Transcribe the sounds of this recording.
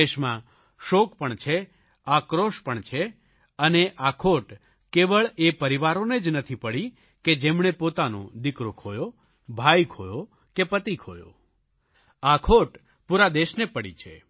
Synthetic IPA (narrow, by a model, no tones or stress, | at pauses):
eʃmã | ʃokpəɳt͡ʃʰe | akɾoʃpəɳt͡ʃʰe | əneʔakʰoʈ | keʋəɭepəɾiʋaɾoned͡ʒnət̪ʰipəɽi | ked͡ʒemɳepot̪anõ̰d̪ikɾokʰojo | bʱajkʰojo | kepət̪ikʰojo̰ | akʰoʈ | puɾad̪eʃnepəɽḭt͡ʃʰḛ